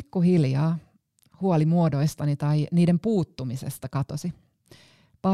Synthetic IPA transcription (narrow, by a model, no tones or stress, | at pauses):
kːuhiljɑː | huolimuodo̞jst̪ɑnit̪ɑjniːde̞mpuːt̪ːumisḛst̪ɑkɑt̪osi | pɑ